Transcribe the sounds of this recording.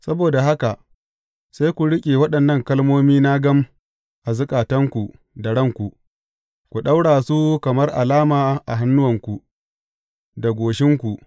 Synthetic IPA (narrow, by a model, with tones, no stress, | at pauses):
sɐ˦boː˨da˨ɦa˦ka˨ | sa˦jkʷu˨ɽɪ˦kʲʼeː˨wɐ˦ɗɐ˨nːɐ˦˨ŋkɐ˦lmoː˦miː˦naː˦ɡɐ˦m | ʔa˨zʊ˦kʼaː˨tɐ˦ŋkʷu˨ʔ | da˨ɽɐ˦ŋkʷu˨ʔ | kʷu˨ɗa˦wɽaː˨su˦kɐ˨mɐ˦rʔa˨laː˦maː˨ʔa˨ɦa˦nːʊ˦wɐ˨ŋkʷu˨ʔ | da˨ɡʷoː˨ʃɪ˦ŋkʷu˨ʔ